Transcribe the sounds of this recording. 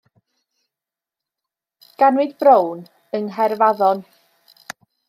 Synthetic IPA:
ɡ̥anwɪdbrown | ənɦɛrvaðɔn

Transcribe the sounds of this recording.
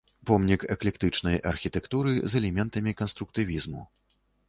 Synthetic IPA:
pɔmnʲikɛklʲɛkt̪ɨt͡ʂnɐjʔɐ̰rxʲit̪ɛkt̪uɾɨzɛlʲɛmʲɛnt̪ɐmʲikɐnst̪ɾuk̚t̪ɨvʲizmṵ

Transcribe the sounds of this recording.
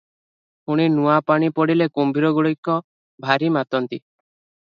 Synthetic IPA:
huɽ̃inuapaɽ̃ipɔɽilekombʱiɾɔɡuɭikːɔ | bʱaɾimat̪ɔnt̪i

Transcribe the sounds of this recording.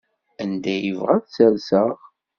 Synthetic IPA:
ænd̪æjəvʁæðt͡səɾsəʁ

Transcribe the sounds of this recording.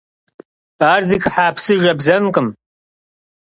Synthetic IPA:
aːrziːxħaːpsɨʒɐbzɐmqəm

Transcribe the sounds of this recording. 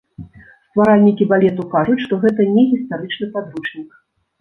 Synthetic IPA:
st̪vaɾalʲnʲikʲibalʲɛt̪̬ukaʐut͡sʲʂt̪ɔɣɛt̪̬ɐnʲɛɣʲist̪aɾɨt͡ʂnɨpad̪ɾut͡ʂnʲik

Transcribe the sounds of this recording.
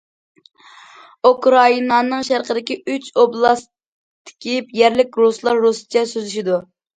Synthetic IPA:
ukɾɑinɑnɨŋʃæɾqəd̪ɪkʲiyt͡ʃoblˠɑs | t̪ʰɪ̥kʲipjɛɾlɪk̚ʲɾuslˠɑɾːusɨ̥t͡ʃʰɛsøzyʃid̪u

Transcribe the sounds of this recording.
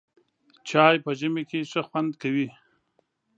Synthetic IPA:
t͡ʃɑjpəʒəmekeʂəxwand̪kawi

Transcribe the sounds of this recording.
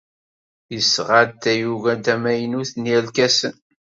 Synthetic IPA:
jəsʁad̪æjuvæd̪æmæjənuθniælkæsən

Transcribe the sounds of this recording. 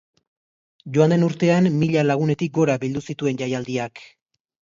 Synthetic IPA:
ʝo̞and̪e̞nuɾt̪e̞amːiʎalaɣ̞une̞t̪ik̚ɡo̞ɾaβild̪usit̪ue̞nʝajald̪iak

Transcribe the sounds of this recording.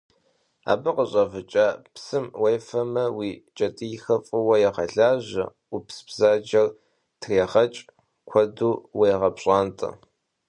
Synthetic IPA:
a̰ːbɨqəɕʼɐvɨt͡ʃʼaːpsɨmwɐjfɐmɐwiːt͡ʃʼɐtʼixɐfʼɨwɐjɛʁɐɮaːʑɐ̰ | ʊpsbzaːd͡ʒɐr | tʰreːʁɐt͡ʃʼ | kʷʰɔduːwɐjʁɐpɕʼaːntʼɨ̰

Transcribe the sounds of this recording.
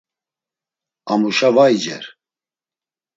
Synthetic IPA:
amuʃavajd͡ʒɛ̰ɾ

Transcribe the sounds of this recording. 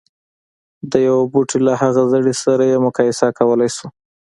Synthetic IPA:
d̪əjawebuʈʰilahaɣazəɽisaɾajemʊkɑjɪsakawəlajsu

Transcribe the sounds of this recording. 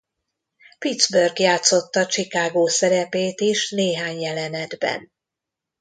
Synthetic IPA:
pid̪zbørɡjaːt̪so̞t̪ːɒt͡ʃikaːɡoːsɛɾɛpeːt̪iʃneːɦaːɲjɛlɛnɛd̪bɛ̰n

